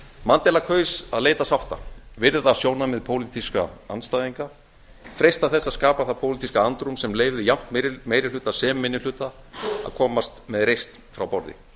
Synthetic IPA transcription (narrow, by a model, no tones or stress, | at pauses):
mant̪ɛlakʰœːɥsaðleːjt̪asawht̪a̰vɪɾðɪðasjoːwnamɛðpʰoːwlit̪iska̰anst̪aːjðiŋka | fɾejst̪aθɛsːaskaːpaθapʰoːwlit̪iskaant̪ɾumsɛmleːjvðɪjam̥t̪mejɾɪlʏːt̪asɛːmmɪnːɪlʏːt̪aa̰ðkʰɔːmast̪mɛðɾejst̪nfɾawpɔɾðɪ̰